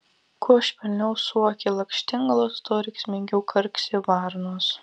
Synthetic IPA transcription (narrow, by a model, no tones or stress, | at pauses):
kʰuɔʃʲpʲɛlʲnʲɛʊsuɔkʲelˠɐkʃʲt̪ʲɪŋɡɐlˠost̪oːɾʲɛɪksʲmʲɪŋʲɡʲɛʊkʰɐɾʲksʲɪʋɑɾnos